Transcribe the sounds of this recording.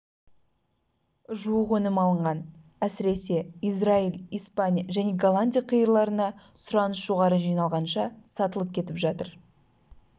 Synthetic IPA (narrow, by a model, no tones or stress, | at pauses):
ʒuəqwɵnɪmɑlˠəɴʁɑn | æsɪɾe̞se̞ijzrailˠijspanʲijaʒæne̞ɡalˠanʲd̪ʲijaqʰəjəɾlˠɑɾənɑsʊɾɑnəsʒ̥oʁɑɾəʒijnɑlˠʁɑnʃɑsɑt̪əlˠəp̚kʲʰe̞t̪ɪpʒɑt̪əɾ